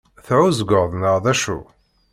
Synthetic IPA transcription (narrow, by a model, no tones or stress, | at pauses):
θʕuzəɡəʁðˤnəʁðæʃṵ